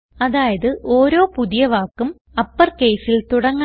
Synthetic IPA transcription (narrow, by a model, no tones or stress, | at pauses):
ɐðaːjɐðɨʔo̞ːɾo̞ːpuðijɐʋaːkːum | ɐpːɐrke̞jsilt̪uɽɐŋː